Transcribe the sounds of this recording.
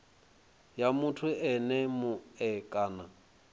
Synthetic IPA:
jamʊtʰʊɛnɛmʊɛkʼaːna

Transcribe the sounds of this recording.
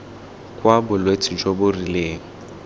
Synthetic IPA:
kʼwabʊlwet͡sʰʼid͡ʒobʊrileːŋ̩

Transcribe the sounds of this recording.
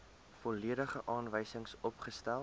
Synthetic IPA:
fɔliədəχəʔɑːnvəjsəŋsɔpχəstælˠ

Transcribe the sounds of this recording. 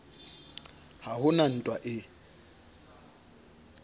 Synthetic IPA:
haɦʊnan̩tʼwaʔɪ

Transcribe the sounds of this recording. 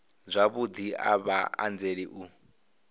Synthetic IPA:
zʷaβud̪ia̰βaa̰nd͡zeɺiʔu

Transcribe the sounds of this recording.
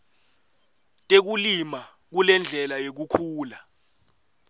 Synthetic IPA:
tʼek̬ulima | k̬ulɛnd͡ɮʱɛlajek̬ukʰuːla

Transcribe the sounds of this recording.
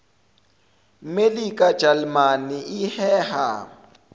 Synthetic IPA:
melikʼḁd͡ʒalmaniihɛːha̰

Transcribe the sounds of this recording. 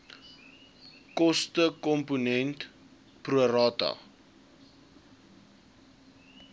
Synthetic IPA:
kɔstəkɔmpunɛnt | pruəɾɑtɐ̰

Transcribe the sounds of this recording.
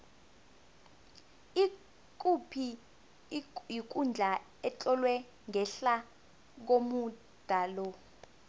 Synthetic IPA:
i | k̬ʼupʰi | jik̬ʼund͡ɮʱa | ɛt͡ɬʼɔlwɛ | ŋɛɬa | k̬omu | d̥ʱalɔ

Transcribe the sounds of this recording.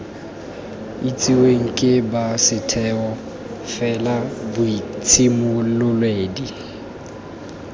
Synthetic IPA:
it͡sʼiweŋ̩kʼɪbasɪtʰɛɔ | fɛlabʊit͡sʰimʊlʊlweːdi

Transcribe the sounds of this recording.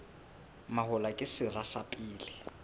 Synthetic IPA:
mahʊlakʼɪsɪrasapʼiːlɪ

